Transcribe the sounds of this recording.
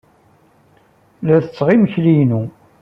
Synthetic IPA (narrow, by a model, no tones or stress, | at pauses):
læθət͡sːʁiməçlijnu